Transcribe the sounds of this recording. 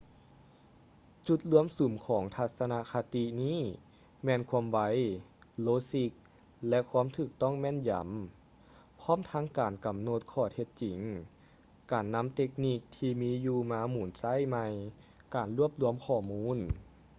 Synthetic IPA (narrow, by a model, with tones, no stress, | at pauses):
t͡ɕu˧˩t̪̚lu˧˥əmsu˨˩˦mkʰɔː˩˦ŋt̪ʰa˧t̪̚sa˧na˧kʰa˧t̪i˧niː˥˨ | mɛː˧˥nkʰu˧˥əmwa˧jloː˧˥si˧˥k̚ | lɛ˧kʰuː˧˥˨mt̪ʰɯː˧˩k̚t̪ɔ˥˨ŋmɛː˧˥˨nja̰˨˦m | pʰɔː˥˨mt̪ʰa˧˥ŋkaː˨˩nka˨˩mno˧˥t̪̚kʰɔː˧˩t̪ʰe˧t̪̚t͡ɕi˨˩˦ŋ | kaː˨˩nːa˧˥mt̪e˧k̚niː˧˩k̚t̪ʰiː˧miː˧˥juː˧maː˧˥muː˨˩˦nsa˧˥˨jma˧jkaː˨˩nlu˧˥˩əp̚lu˧əmkʰɔː˧˩muː˧˥˨n